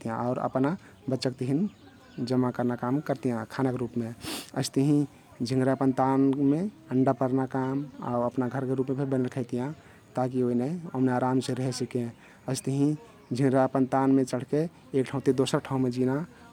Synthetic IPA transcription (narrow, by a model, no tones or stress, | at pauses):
t̪ijãɔʊɾə̰pna | bətːʃək̚t̪iɦin | d͡ʒəmːakəɾnakamkəɾt̪ijãkʰanəkɾupmeə̰st̪əɦĩ | d͡ʒʱĩŋɡɾapənt̪anmeəɳɖapəɾnakama̰uəpnaɡʱəɾkeɾupmebʱibənəlkʰəɪt̪ijã | t̪ak̬ioinəəmneaɾamseɾəɦɛsikẽ | əɪst̪əɦĩ | d͡ʒʱĩŋɡɾapənt̪anmẽt͡ʃəɽ̤ke | ekʈʰãũt̪id̪osəɾʈʰaũmed͡ʒina